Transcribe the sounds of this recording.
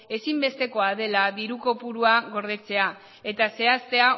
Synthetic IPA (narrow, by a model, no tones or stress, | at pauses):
e̞simbe̞st̪e̞ko̞að̞e̞laðiɾuko̞puɾuaɣo̞ɾð̞e̞t͡se̞a | e̞t̪ase̞ast̪e̞a